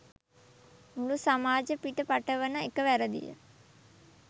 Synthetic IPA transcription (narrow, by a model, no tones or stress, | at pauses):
mulusamaːd͡ʒəpiʈəpaʈəʋənəekəʋæɾəd̪ḭjə̰